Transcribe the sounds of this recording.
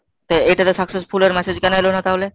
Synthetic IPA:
t̪oejʈat̪osaksespʰuleɾmɛsed͡ʑkɛnoɦelonat̪aɦole

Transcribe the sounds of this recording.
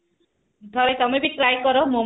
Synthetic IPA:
d̪ʱɔɾejt̪ɔmebit̪ɾajkɔɾɔmom

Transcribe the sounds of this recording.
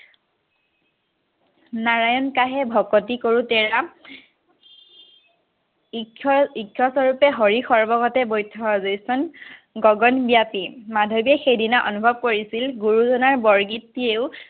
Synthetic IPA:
naɹajɔnkaɦɛbʱɔkotikoɹutɛɹa | ikʰːɔsɔɹupɛɦoɹixɔɹbɔɡɔtɛbojtʰːɔɔzojsɔnɡɔɡɔnbijapimadʱobiɛxejdinaʔɔnubʱɔb̚koɹisilɡuɹuzɔnaɹbɔɹɡitːieʊ

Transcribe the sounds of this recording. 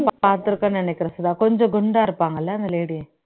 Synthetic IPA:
ppaːɾt̪ːɯɾɯkːɐɳnɪnɛkʲːɪɾɐsɐðaːkɔɲd͡ʒõɡʊɳɖaːɪɾɯpːaːŋɡɐlːaːnd̪ɐleːɽi

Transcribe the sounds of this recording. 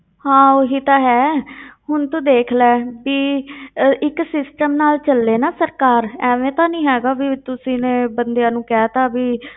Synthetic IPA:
hãːoːɦiːt̪ãːɦɛːɦʊnt̪ũːd̪eːkʰlɛːbiː | ɪksɪsʈəmnaːlt͡ʃəlːeːnaːsəɾkaːɾɛːʋẽːt̪ãːnĩːɦɛːɡaːbiːt̪ʊsĩːneːbənd̪ejãːnũːkɛːt̪ãːbiː

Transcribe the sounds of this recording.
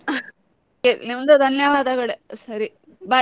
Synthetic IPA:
kenimɐnd̪ud̪ʱɐnjɐʋaːd̪ɐɡɐɽesɐɾi | baː

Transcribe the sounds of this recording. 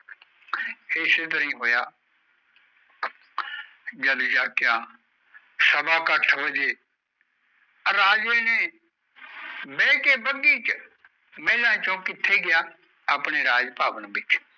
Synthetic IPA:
eseːt̪̬əɾĩːɦoːjaː | d͡ʒəd̪d͡ʒaːkjãː | səbaːkəʈʰʋəd͡ʒeː | ɾaːd͡ʒeːneː | bɛːkeːbəɡiːt͡ʃ | mɛːlãːt͡ʃõːkɪt̪ʰːeːɡɪjaː | aːpɳeːɾaːd͡ʒpaːʋənbɪt͡ʃ

